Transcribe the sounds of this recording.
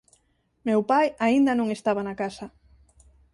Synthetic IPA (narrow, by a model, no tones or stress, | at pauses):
mewpajaind̪ɐnõŋest̪aβanakasɐ